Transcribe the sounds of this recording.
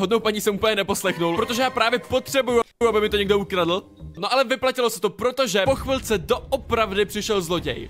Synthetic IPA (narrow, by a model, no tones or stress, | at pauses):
ɦodnowpaɲisɛmuːpl̩ɲɛnɛpo̞slɛxnulɾot̪oʒɛjaːpɾaːvjɛpot̪r̥ɛbujuuabɪmɪt̪o̞ɲɛɡdo̞ukɾadl̩ | noʔalɛvɪplacɪlo̞sɛt̪o̞pɾot̪o̞ʒɛpoxvɪlt͡sɛdoʔopɾavdɪpr̥ɪʃɛlzlo̞ɟɛ̰j